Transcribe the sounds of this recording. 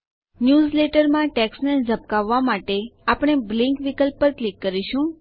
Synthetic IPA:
njuːzleʈəɾmãʈeksned͡ʒʱəp̚kaʋːamaʈeapɽ̃eblĩŋkʋikəlpːəɾklikːəɾiʃũ

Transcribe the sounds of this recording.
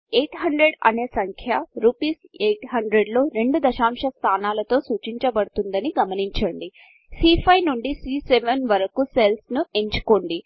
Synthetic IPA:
eːʈɦɐɳɖɾeɖɐ̰ne̞ːsɐŋkʰjɐɾuːpiːsejʈɦɐɳɖɾeɖlo̞ːɾe̞ɳɖud̪ɐʃaːmʂɐst̪ʰaːnaːlɐt̪o̞ːsuːt͡ʃiɲt͡ʃɐbɐɽut̪und̪ɐniɡɐmɐniɲt͡ʃɐɳɖi | siːpʰɐjnuɳɖisɾiːseʋenʋɐɾɐkuselsnue̞ɲt͡ʃu̥koɳɖi

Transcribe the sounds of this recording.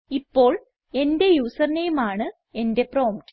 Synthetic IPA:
ipːo̞ːɭ | e̞nde̞juːsɐrnejumaːɳɨ | e̞nde̞pro̞ːmʈ

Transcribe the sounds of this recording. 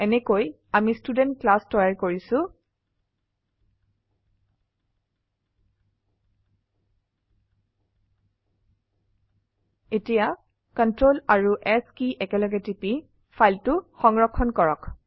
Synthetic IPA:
ɛnɛkoj | amistudɛntklastɔjaɹkoɹisʊ̃ | etija | kɔntɹolaɹuʔɛskiʔɛkɛlɔɡɛtipi | fʰajltʊxɔŋɹɔkʰːɔnkɔɹɔk

